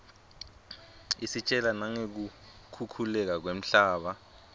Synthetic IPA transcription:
isit͡ʃʼɛlanaŋek̬ukʰukʰulɛk̬ak̬wem̩ɬaːɓa

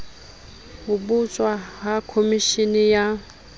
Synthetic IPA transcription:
ɦʊbut͡sʼwaɦakʰomiʃinija

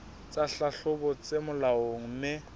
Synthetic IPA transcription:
t͡sʼaɬaɬʊbɔt͡semʊlaoŋ̩mɪ

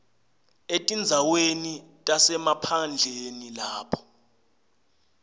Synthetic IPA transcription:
etʼind͡zʱawenitʼasɛmapʰand͡ɮʱenilaːpʰɔ̥

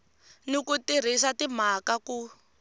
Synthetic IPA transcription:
nikutiɾ̤isatim̤akaku

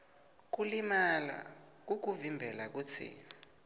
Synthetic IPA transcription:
k̬ulimala̰ | k̬uk̬uvimbʱɛlak̬ut͡sʰḭːna

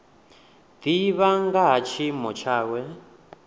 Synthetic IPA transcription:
d̪iβaŋɡaɦat͡ʃʰimɔt͡ʃʰaːwɛ

